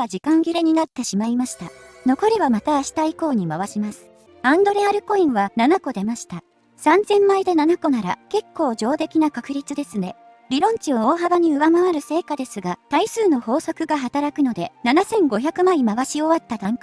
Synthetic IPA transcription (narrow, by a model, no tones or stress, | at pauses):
ad͡ʑikãŋɡʲiɾeɲ̟inat̪ːe̞ɕimaimaɕi̥t̪ano̞ko̞ɾʲiβamat̪aːɕi̥t̪aiko̞ːɲ̟imaβaɕimasɨ̥ | ãnd̪o̞ɾe̞aɾɯ̟ko̞ĩɰ̃βananako̞d̪e̞maɕi̥t̪a | sãnd͡zẽ̞mːaid̪e̞nanako̞naɾa̰ke̞kʰːo̞ːʑo̞ːt̪e̞kʲinakakɯ̟ɾʲit͡sɨd̪e̞sɨne̞ | ɾʲiɾõ̞ɲ̟t͡ɕio̞oːɦabaɲ̟iɯ̟βamaβaɾɯ̟se̞ːkad̪e̞sɨɡat̪aisɨːno̞ho̞ːso̞kɯ̟ɡaɦat̪aɾakɯ̟no̞d̪e̞nanasẽ̞ŋɡo̞çʲakɯ̟maimaβaɕio̞βat̪ːat̪ãŋk